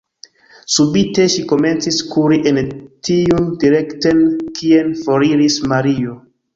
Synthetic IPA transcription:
subite̞ʃiko̞me̞nt͡siskuɾiʔentiundiɾe̞ktenkienfoɾiɾismaɾio

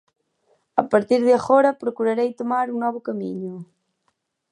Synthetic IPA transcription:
ɐpaɾt̪iɾðɪaɣoɾɐpɾokuɾaɾejt̪omaɾuŋnɔβʊkamḭɲʊ

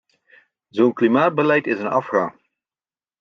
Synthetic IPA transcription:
zownklimaːd̚bəlɛjtɪzənɑfχaː

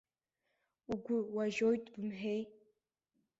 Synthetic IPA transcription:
uɡʷʊwaʒojtʼbɨmħᶣej

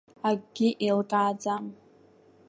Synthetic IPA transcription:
aɡɡʲɪʔilkʼaːd͡zam

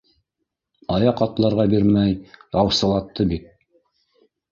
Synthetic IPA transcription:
ɑjɑqɑt̪lˠɑɾʁɑbiɾmæjɑwsɤ̆lˠɑt̪ːɤbit̪̚

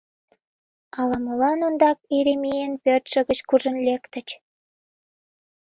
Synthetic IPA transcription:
ɑlɑmɤlɑnond̪ɑk̚eɾemijenpørt̪ʃə̆ɣə̆t͡ɕkuʒə̆nlʲekt̪ə̆t͡ɕ

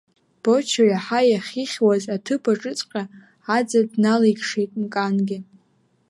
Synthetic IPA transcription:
b̥o̞t͡ʃʰaɥaħajaχʲiχʲwazatʰɨpʰaʈ͡ʂʼɨt͡sʼqʲʼa | ad͡zadnalijkʲʰʂejtʼmkʼanɡʲɪ

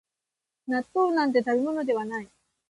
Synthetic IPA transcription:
nat̪ːo̞ːnãnt̪̬e̞t̪abimo̞no̞d̪e̞βanai

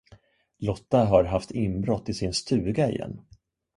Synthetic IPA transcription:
lɔt̪ːaɦaɾɦaft̪ɪmbɾɔt̪ːɪsɪnst̪ʰʉ̟ːɡaɪ̰jɛ̰nː

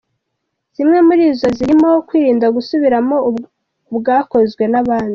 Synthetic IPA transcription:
z̥imŋe̞muɾiːzo̞ziɾimokwiːɾiːndaɡusuβiɾamo̞ | bɡaːko̞zɡwe̞naβaːndi

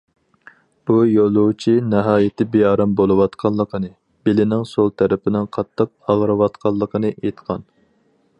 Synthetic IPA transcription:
b̥ujolˠuwt͡ʃʰinɨɦɑːjɪt̪ʰɪbejɑːɾɑmbolˠɨwɑt̪qʰɑllˠːəqʰənɨ | b̥ɪlɪnɪŋsolˠt̪ʰæɾɪpɪnɪŋqʰɑt̪ʰːəq̚ɑʁɾɨwɑt̪qʰɑlˠːəqʰənɨʔejt̪qʰɑn

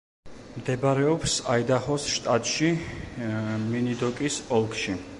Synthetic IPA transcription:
md̪ɛbaɾɛɔpsaid̪aχɔsʃt̪ʼat̪ʼʃi | minid̪ɔkʼisɔlˠkʰʼʃi

